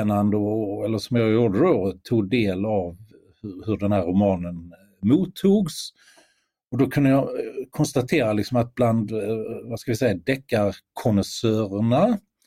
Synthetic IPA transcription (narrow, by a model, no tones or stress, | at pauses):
nand̪əɔɛlːəʂɔmjɑɾɪɔd̪əɾoɾt̪ʰuːɡ̚d̪eːlav | hɵhɵɖɛnhæɾʊmɑːnən | muːt̪ʰːuːɡs | ɔd̪ɔkʰɵnd̪əjɑkʰɔnst̪at̪ʰeːɾalɪksɔmat̪̚bland̪vaskavɪsɛjːad̪ɛkːaɾkʰɔnəsøːɾəɳa